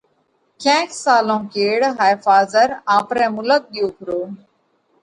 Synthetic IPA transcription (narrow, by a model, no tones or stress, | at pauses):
kʰɛ̃ːksaːlõːkeːɽɦaːjfaːzəɾãːpɾɛ̃ːmʊlək̚ɗɪjõːkəɾoː